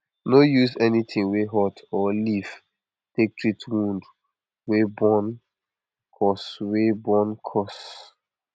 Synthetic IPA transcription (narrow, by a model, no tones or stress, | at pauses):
nojuzɛnitĩŋweɦɔtʰɔlif | tek̚tʰɹitʰwũnd | webɔ̃n | kʰɔswebɔ̃nkʰɔs